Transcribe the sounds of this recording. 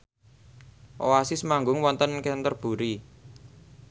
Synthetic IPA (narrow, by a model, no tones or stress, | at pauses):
ʔowasisəmaŋɡʊŋwɔnt̪ənkɛnt̪ərb̥ṳɾi